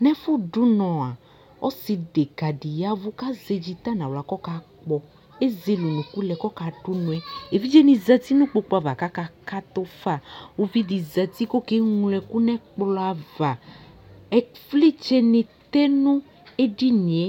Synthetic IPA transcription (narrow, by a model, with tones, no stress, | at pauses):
nɛ̃˦fu˦ɖu˦nɔ̃˨a˨ | ɔ˦si˧ɖe˨ɡa˨ɖi˨ja˦vu˦ka˦ze˧d͡ʒi˧t̪a˦nã˨wla˨kɔ˦ka˨k͡pɔ˨ | e˦ze˨lu˨nũ˨ku˦lɛ˨kɔ˦ka˨ɖu˦nũ˨ɛ˦e˨vi˦d͡ʒe˦nĩ˧zɛ˧t̪i˦nũ˦k͡po˧k͡pɔ˧a˧˨va˨ka˦ka˧ka˦t̪o˦fa˦˨wo˦vi˦di˨zɛ˧t̪i˦ko˦ke˦ŋũ˨˧lɛ˧ku˦nɛ̃˦k͡pla˨va˨ | ɛ˨fli˦t͡ʃe˦nĩ˧t̪e˦nũ˦ | e˦ɖi˦nĩ˨e˨˦